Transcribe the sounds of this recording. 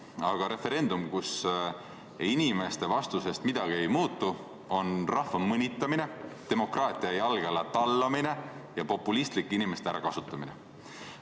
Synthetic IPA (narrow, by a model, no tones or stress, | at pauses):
ɑɡ̥ɑɾe̞fe̞ɾe̞nd̪umkus | inʲime̞st̪e̞vɑst̪use̞st̪mid̪̥ɑɡ̥ie̞jmuːt̪ˑːu | o̞nrɑhfɑmɤnʲit̪ːˑɑmine̞t̪e̞mo̞krɑːt̪ˑiɑjɑlɡ̥elɑt̪ɑlːɑmine̞jɑpo̞pːˑulist̪likːˑinime̞st̪eæ̰ɾɑ̰kɑsut̪ːˑɑmine̞̰